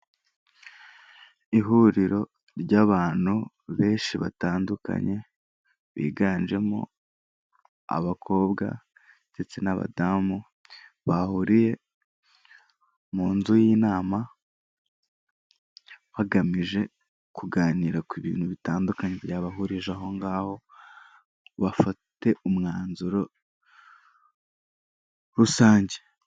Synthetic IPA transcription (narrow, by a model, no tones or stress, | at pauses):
iɦuɾiɾo̞ | ɾɟaβaːn̥hu | βe̞ːnʃiβa̰taːnduka̰ɲe̞ | βḭːɡaːnʒe̞mo̰ | a̰βakʰo̞ːbɡa̰ | nd̥e̞t͡se̞naβa̰damu | βahuɾije̞ | muːnzujiːnaːma | βaɡamiʒe̞ | kuɡaːniɾakwiβḭːn̥huβitaːndukaɲebɟaːβaɦuɾiʒaɦo̞ŋɡaːho̞ | βafate̞umŋaːnzuɾo̞ | ɾusaːɲɟe